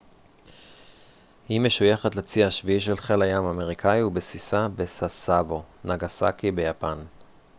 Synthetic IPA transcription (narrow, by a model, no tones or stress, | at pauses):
hime̞ʃujaχatlat͡siaʃviiʃ̬elχelajamame̞ʁikʰaiubesisabe̞sasavo̞naɡasa̰kibejapan